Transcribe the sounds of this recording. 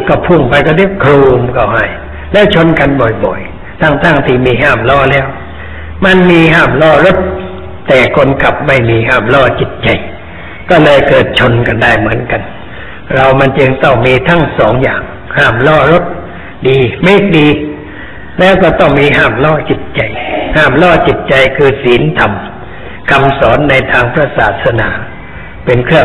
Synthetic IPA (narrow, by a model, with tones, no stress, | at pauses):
kɔː˧˩pʰu˧˥˩ŋpʰa˧jkɔː˧˩deː˧˥˩kʰɾuː˧mkʰa˧˩wɦa˧˩j | lɛː˦˥˨wt͡ɕʰo˧nka˧nbɔ˨˩jbɔ˨˩j | t̪ʰa˦˧˥ŋt̪ʰa˥˩ŋt̪ʰiː˧˩miː˧ɦaː˧˩mlɔː˧˩lɛː˦˧˥w | ma˧nmiː˧ɦaː˧˥˩mlɔː˧˥˩ɾo˦˥˩t̪̚ | t̪ɛː˨˩kʰo˧nkʰa˨˩p̚ma˥˩jmiː˧ɦaː˧˥˩mlɔː˧˩t͡ɕi˨˩t̪̚t͡ɕa˧j | kɔː˥˩lɤː˧jkɤː˨˩t̪̚t͡ɕʰo˧nka˧ndaː˧˩jmɯ˩˦ənka˧n | ɾa˧wma˧nt͡ɕɯ˧ŋt̪ɔ˥˩ŋmiː˧t̪ʰa˦˥˩ŋsɔː˩˦ŋjaː˨˩ŋ | haː˥˩mlɔː˥˩ɾo˦˥t̪̚ | diː˧meː˥˩k̚diː˧ | lɛː˦˥wkɔː˥˩t̪ɔ˥˩ŋmiː˧ɦaː˥˩mlɔː˥˩t͡ɕi˨˩t̪̚t͡ɕa˧jhaː˥˩mlɔː˥˩t͡ɕi˨˩t̪̚t͡ɕa˧jkʰɯː˧siː˨˦nt̪ʰa˧m | kʰa˧msɔː˩˦nːa˧jt̪ʰaː˧ŋpʰɾa˧saː˨˩t̪ʰsa˧naː˩˦ | pe˧nkʰɯ˥˩əŋ